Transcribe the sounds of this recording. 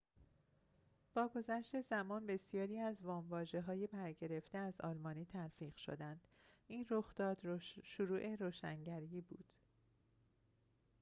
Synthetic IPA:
b̥ɒːɡo̞zæʃt̪e̞zæmɒːnbe̞sijɒːɾiːæzvɒːmvɒːʒe̞ɦɒːjebæɾɟe̞ɾe̞ft̪e̞æzɒ̰ːlmɒːniːt̪ʰælfiːɢʃo̰d̪ænd̪̥ʔiːnro̞xd̪̥ɒːd̪ʃoɾuːʔe̞ɾoːʃæ̰ŋɟæɾiiːbuːd̪̥

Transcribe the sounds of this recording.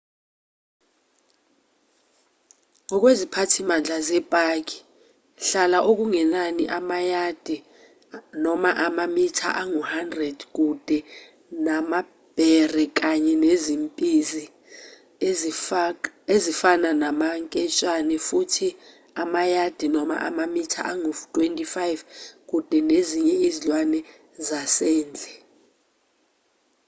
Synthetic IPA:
ŋɔk̬ʼwezipʰatʰimand͡ɮʱazɛb̥ʱʼak̬ʼi̥ | ɬalaʔok̬uŋɛnaniʔamajad̥ʱɛ | nɔmaʔamamitʰa̰ʔaŋuhandrɛd̥k̬ud̥ʱɛ | nama | b̥ʱɛrɛk̬aɲɛnezimpʼizi | ezifananamaŋkʼɛt͡ʃʼanɛfutʰi | amajad̥ʱinɔma̰ʔamamitʰa̰ʔaŋutʼwentʼifajvk̬ʼud̥ʱɛneziɲɛizilwanɛ | zasɛːnd͡ɮʱɛ

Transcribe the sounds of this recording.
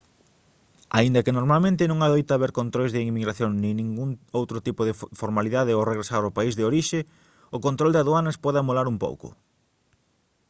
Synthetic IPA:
aind̪ɐkɪnoɾmalmẽnt̪ɪnõŋaðojt̪aβeɾkont̪ɾojzðɪimiɣɾaθjoŋnĩnĩŋɡuŋowt̪ɾʊt̪ipʊðɪfoɾmaliðaðɪowreɣɾesaɾopaizðɪoɾiʃɪ | ʊkont̪ɾold̪aðuanɐspɔðamolaɾumpo̰wkʊ̰

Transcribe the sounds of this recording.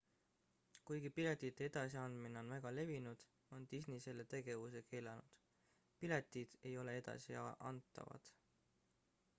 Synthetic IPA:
kujɡipilet̪ʲˑit̪ːˑee̞d̪̥ɑsiɑnd̪̥mineo̞nvæɡ̥ɑle̞vinud̪̥ | o̞nt̪isnise̞lːe̞t̪e̞ɡ̥e̞vuse̞kʰe̞ːlɑnud̪̥ | pilet̪ːˑid̪̥e̞jo̞le̞e̞d̪̥ɑ̰siɑʔɑ̰nt̪ːˑɑ̰vɑ̰d̪̥

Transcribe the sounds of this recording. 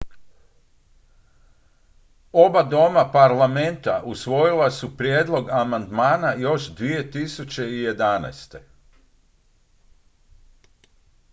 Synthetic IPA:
o̞bad̪o̞mapaɾlame̞nt̪aʔusʋo̞jilasupɾjeːd̪lˠo̞ɡamand̪maːnajo̞ʃd̪ʋije̞t̪isut͡ɕe̞ije̞d̪ana̰jst̪e̞

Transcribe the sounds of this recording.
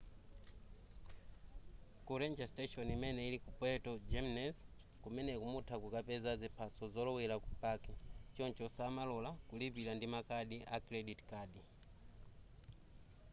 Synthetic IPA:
kuɾɛnd͡ʒastɛʃɔnimɛnɛilikupɛtɔd͡ʒɛmnɛs | kumɛnɛkumutʰakukapɛzazipʰasɔzɔlɔwɛlakupakɛt͡ʃɔnt͡ʃɔsaːmalɔlakulipilandimakaɗiʔakɾɛɗitkaːɗi

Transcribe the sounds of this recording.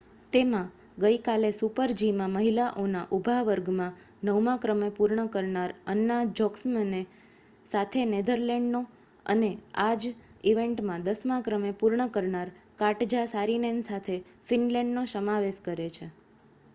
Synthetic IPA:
t̪emã | ɡəjkalesupəɾd͡ʒimãməɦilaʔonaʔubʱaʋəɾɡmã | nəʋmãkɾəmepuɾɳəkəɾɳaɾənːad͡ʒɔksmene | sat̪ʰened̪əɾlɛɳɖno | ə̰nead͡ʒiʋẽɳʈmãd̪əsmãkɾəmepuɾɳəkəɾɳaɾkaʈd͡ʒasaɾinensat̪ʰefinlɛ̃ɳɖnosəmaʋeʃkəɾet͡ʃʰe

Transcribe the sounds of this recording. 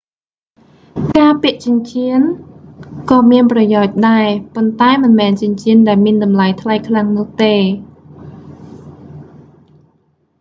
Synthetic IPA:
kaːpiəʔt͡ɕɨ̆əɲt͡ɕiən | kɑːmiənprɑjaɔc̚ɗaɛpont̪aɛmɨnmɛːnt͡ɕɨ̆əɲt͡ɕiənɗaɛlmiənɗɑmlajt̪ʰlajkʰlaŋnʊ̆əht̪eː

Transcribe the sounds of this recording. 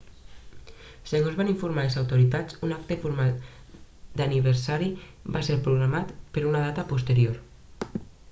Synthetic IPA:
seɣozβaniɱfuɾmalezawt̪uɾit̪at͡sunak̚t̪efuɾmal | d̪aniβ̞eɾsaɾi | baseɾpɾuɣɾamat̪peɾunaðat̪apust̪eɾjoɾ

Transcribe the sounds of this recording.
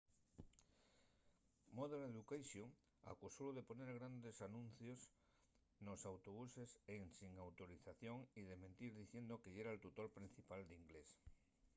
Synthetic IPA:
moðeleðukajsjoŋ | a̰kusowðeponeɾɣ̞ɾand̪esanũn̟θjos | nosawt̪oβ̞useseŋsiŋawt̪oɾiθaθjoŋiðemẽnt̪iɾðiθjend̪okeeɾaelt̪ut̪oɾpɾin̟θipald̪iŋɡles

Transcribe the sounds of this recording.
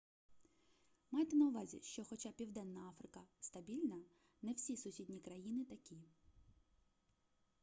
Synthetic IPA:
mɑjt̪ɛnɐʊʋɑzʲḭʃt͡ʃɔxɔt͡ʃapʲiwd̪ɛnːɐɑfɾɪkɐst̪ɐbʲilʲnɐ | nɛwsʲisʊsʲidʲnʲikɾɐjinɪt̪ɐkʲi

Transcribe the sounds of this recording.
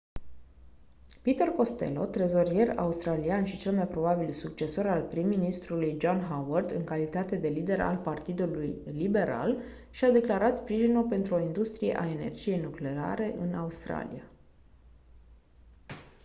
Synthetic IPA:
pit̪e̞rko̞st̪e̞̰lo̞̰t̪ɾe̞zo̞ɾije̞ra̰ust̪ɾalianʃit͡ʃe̞lmajpɾo̞babilsuk̚t͡ʃe̞so̞ɾalpɾimːinist̪ɾulujd͡ʒonɦawərd̪ɨ̰ŋkalit̪at̪e̞d̪e̞lid̪e̞ɾa̰lpart̪id̪ulujlibe̞ɾa̰l | ʃiad̪e̞klaɾat̪spɾiʒinulpe̞nt̪ɾuo̞ind̪ust̪ɾijḛʔae̞ne̞̰rd͡ʒije̞jnukle̞a̰ɾe̞ʔɨnʔaust̪ɾa̰lḭja

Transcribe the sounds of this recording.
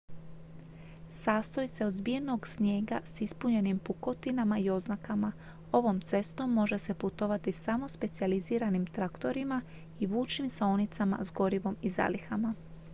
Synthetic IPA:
saːst̪o̞jse̞ozbije̞no̞ɡsɲje̞ːɡasispuɲe̞nimpuko̞t̪inamaio̞znakama | o̞ʋo̞mt̪se̞st̪o̞mːo̞ʒe̞se̞put̪o̞ʋat̪isamo̞spe̞t̪sializiːɾanimt̪ɾakt̪o̞ɾima | iʋuːt͡ʃimsaonit̪sama̰zɡo̞ɾiʋo̞miza̰lixama

